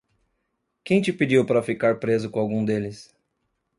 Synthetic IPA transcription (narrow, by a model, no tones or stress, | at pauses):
kẽj̃t͡ʃɪpid͡ʒiwpaɾɐfikaɾpɾezʊkõawɡũd̪elɪs